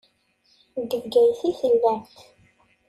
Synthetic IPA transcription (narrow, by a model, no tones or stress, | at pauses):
d̪əvɡæjθiθəlːænt̪